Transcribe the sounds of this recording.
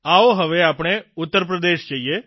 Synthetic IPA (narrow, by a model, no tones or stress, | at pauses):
aoɦəʋeaːpɽ̃eʊt̪ːəɾp̬ɾəd̪eʃd͡ʒaie